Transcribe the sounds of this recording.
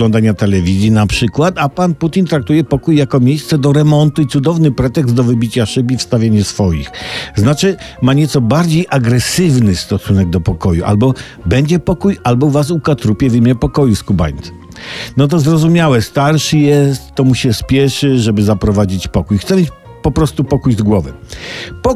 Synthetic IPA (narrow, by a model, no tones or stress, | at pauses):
ɔnd̪aɲat̪ɛlɛvʲizʲjinapʂɘkwat̪apanput̪ʲint̪ɾak̚t̪ujɛpɔkujːakɔmʲjejst̪sɛd̪ɔɾɛmɔnt̪uit̪sud̪ɔvnɘpɾɛt̪ɛɡzd̪ɔvɘbʲit͡ɕaʂɘbifst̪avʲjeɲasfɔjḭxznat͡ʂɘmaɲɛt̪sɔbaɾd͡ʑejʔaɡɾɛsɘvnɘst̪ɔsunɛɡ̚d̪ɔpɔkɔjuʔa̰lbɔ | bɛɲd͡ʑɛpɔkujalbɔvas̬ukat̪ɾupʲjɛvimʲjɛpɔkɔjuskuba̰jnt̪ | nɔt̪̬ɔzɾɔzumʲjawɛst̪aɾʂɘjɛst̪ːɔmuɕɛspʲjɛʂɘʐɛbɘzapɾɔvad͡ʑit͡ɕpɔkujxt̪sɛmʲjet͡ɕ | pɔpɾɔst̪upɔkujzɡwɔvɛ̰pɔ